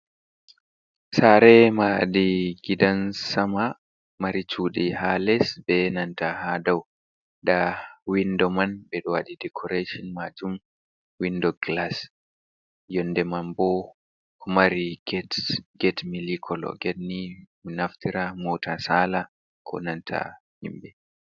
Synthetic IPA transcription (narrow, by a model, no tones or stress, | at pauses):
saɾɛmadiɡidansama | maɾit͡ʃuːɗihalɛsbɛnantahadaw | ɗawindɔmanbɛɗɔwaɗidɛkʰɔɾeʃɔnmad͡ʒum | windɔɡlas | jɔnːdɛmambɔ | kmaɾiɡɛtɡɛtmilikʰɔlɔ̰ɡɛtni | naftiɾamɔtʰasaːla | kʰɔ̰nantʰa̰hḭmbɛ